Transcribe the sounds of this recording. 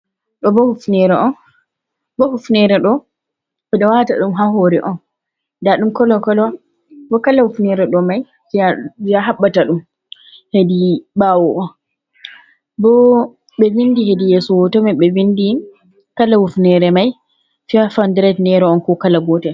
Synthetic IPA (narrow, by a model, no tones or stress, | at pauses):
ɗɔbɔhufnɛɾɛʔɔn | bɔhufnɛɾɛɗɔ | bɛɗɔwata̰ɗumɦaɦoɾɛ̰ʔɔn | daɗumkɔlɔkɔlɔ | bɔkalahufnɛɾɛɗɔmaj | fiaviaɦaɓːataɗum | hedibawɔʔɔn | bɔ | ɓɛvindiɦedijesɔwɔtɔmɛɓɛvindi | kalahufnɛɾɛmaj | fiafandɾɛtnɛɾɛɔnkɔkalaɡɔtɛ